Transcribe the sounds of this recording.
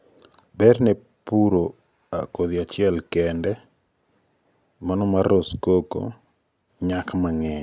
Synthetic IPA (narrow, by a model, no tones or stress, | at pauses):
bɛɾne | puɾo | akoðɪat͡ʃɪɛlkɛndɛ | manɔmaɾoskoko̰ | ɲakmaŋɛɲ